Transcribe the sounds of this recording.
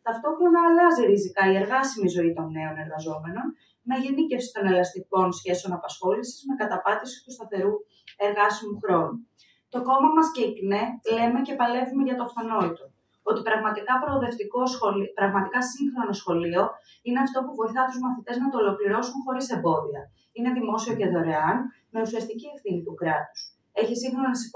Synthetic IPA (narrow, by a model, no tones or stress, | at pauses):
t̪ɐft̪o̞xɾo̞nɐːlɐziɾisikɐie̞ɾɣɐsimizo̞it̪o̞nːe̞o̞ne̞ɾɣɐzo̞me̞no̞n | meʝenice̞fsi̥t̪o̞ne̞lɐst̪iko̞nsçe̞sio̞nɐpɐsxo̞lisizme̞kɐt̪ɐpɐt̪isi̥t̪ust̪ɐθe̞ɾu | e̞ɾɣɐsimuxɾo̞nu | t̪o̞ko̞mɐmɐsceiknele̞me̞ce̞pɐle̞vume̞ʝɐt̪ofɐno̞it̪o | o̞t̪ipɾɐɣmɐt̪ikɐpɾo̞ːðe̞ft̪iko̞sopɾɐɣmɐt̪ikɐsiŋxɾo̞nosxo̞lio̞ | ine̞ɐft̪o̞puvo̞jθɐt̪uzmɐθit̪e̞znɐt̪oːlo̞kliɾo̞sunxo̞ɾise̞mbo̞ðiɐ | ine̞ðimo̞sio̞ceðo̞ɾe̞ɐn | me̞usiɐst̪icie̞fθinit̪ukɾɐt̪u̥s | e̞çisiŋxɾo̞nonɐsi